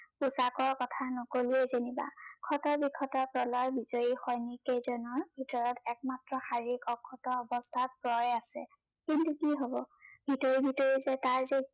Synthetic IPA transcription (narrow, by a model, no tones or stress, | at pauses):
usakɔɹkɔtʰanɔkoliezeniba̰kʰɔtɔɹbikʰːɔtɔɹpɹɔlɔjbizojixɔjnikejzɔnɔɹbʱitɔɹɔtɛk̚matɹɔxaɹikɔkʰːɔtɔɔbɔstʰat̚pɹɔjasɛ̰ | kintukiɦobɔbʱitɔɹibʱitɔɹizɛtaɹze